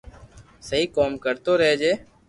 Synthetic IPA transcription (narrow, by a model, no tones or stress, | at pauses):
səɦiːkoːmkəɾt̪oːɾɛɦeːd͡ʒeː